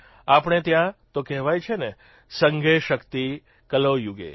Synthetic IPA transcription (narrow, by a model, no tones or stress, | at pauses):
apɳ̃et̪jãt̪okɛɦʋajt͡ʃʰene | səŋɡʱeʃəkt̪i | kəlojuɡḛ